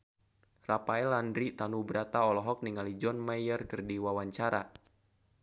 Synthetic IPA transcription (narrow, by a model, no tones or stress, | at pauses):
rapaɛlandɾit̪anubɾat̪aɔlɔɦɔk̚niŋalid͡ʒɔnmajərkərdiwawaɲt͡ʃaɾa